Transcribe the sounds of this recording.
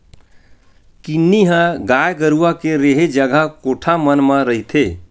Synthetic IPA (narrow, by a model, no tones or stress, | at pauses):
kinːiɦə̃ɡajɡəɾuakeɾeɦed͡ʒəɡʱəkoʈʰamənməɾəɦit̪ʰe